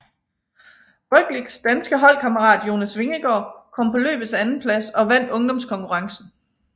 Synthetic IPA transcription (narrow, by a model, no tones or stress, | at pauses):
b̥œɡ̥liɡ̥sd̥ænsɡ̥əɦɒ̽l̰kʰɑ̈məʁɑ̰̈ːd̥jo̝ːnæsʋe̝ŋiɡ̥ɒ̰ːkʰɒ̽m̰pʰɒ̽lø̰ːb̥ð̩ˠsænn̩pʰlæsɒ̽ʋæn̰d̥ɔ̽ŋd̥ɒ̽mskʰɒ̽ŋkʰuʁɑ̈ŋsn̩